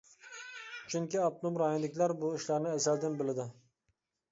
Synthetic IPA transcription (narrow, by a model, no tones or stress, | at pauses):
t͡ʃʰyŋkʲiɑp̚t̪ʊmɾɑːjinlɪkʲlæɾbuiʃlæɾnɪæsæld̪ɪnbɪlɪd̪ɪ